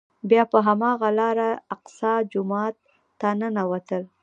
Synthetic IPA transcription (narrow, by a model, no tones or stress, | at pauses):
bjɑpəɦamɑɣalɑɾaaqsɑd͡ʒʊmɑt̪ː | anənawat̪əl